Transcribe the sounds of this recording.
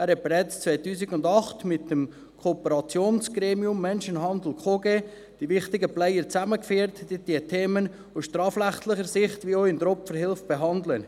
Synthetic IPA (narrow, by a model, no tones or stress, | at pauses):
æːɾhɛt̚b̥eɾɛt͡st͡svaɪtuːsɪkʊndɑχtmɪtːəm | kʰoːpəɾɑt͡sjoːnsɡ̥ɾeːmiʊmːɛnʃənɦɑnd̪l̩kʰoːɡeː | d̥ivɪχtɪɡəplɛɪəɾt͡sæməkfiːɾtd̥itdiːətʰeːmən | ʊsʃtɾɑːfrɾæχt̪lɪχəɾsɪχtʋioɪndɾɔpfəɾhɪlfb̥eɦɑnd̪lən